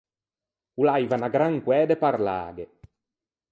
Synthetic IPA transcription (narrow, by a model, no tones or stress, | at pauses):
ulajvanaɡɾaŋkwɛːd̪epaɾla̰ːɡe